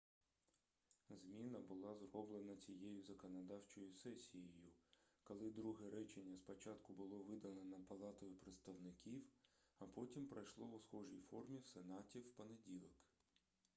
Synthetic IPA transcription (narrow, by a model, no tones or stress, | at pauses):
zmʲinɐbʊlˠɑzrɔblˠenɐt͡sʲijejʊzɐkɔnɐd̪ɑwt͡ʃɔjʊsɛsʲijejʊkɔlˠɪd̪ɾuɦɛɾɛt͡ʃenʲːɐspɔt͡ʃɑt̪kʊbʊlˠɔʋɪd̪ɐnɐnɐpɐlˠɑt̪ɔjɪpɾet̪st̪ɐwnɪkʲiwɐpɔtʲimpɾɐjʃlˠɔʊsxɔʒijfɔrmʲiwsenɑtʲiwpɔnedʲilˠɔk